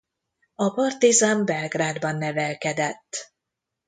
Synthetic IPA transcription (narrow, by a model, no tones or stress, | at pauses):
ɒpɒrt̪izambɛlɡraːd̪bɒnːɛvɛlkɛd̪ɛt̪ː